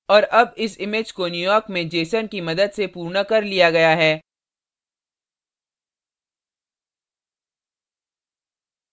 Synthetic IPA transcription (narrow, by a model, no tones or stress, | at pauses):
ɔːɾʔɐbɪsɪmɪd͡ʒkonjuːjɔːɾkmẽd͡ʒeːsənkimɐd̪əd̪sepuːɾnəkɐɾlijaɡɐjaɦɛː